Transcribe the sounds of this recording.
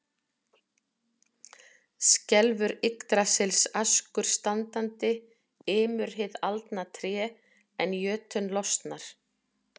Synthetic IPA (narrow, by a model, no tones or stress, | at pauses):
scɛlvʏɾɪkt̪ɾasɪlsaskʏɾ̥st̪ant̪ant̪ɪ | ɪːmʏɾ̥ɦɪðalt̪nat̪ʰɾjɛː | ɛnjœːt̪ʏnlɔst̪naɾ̥